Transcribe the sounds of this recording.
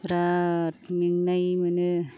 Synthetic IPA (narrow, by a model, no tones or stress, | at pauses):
ɾatmiŋnajmɯnɯ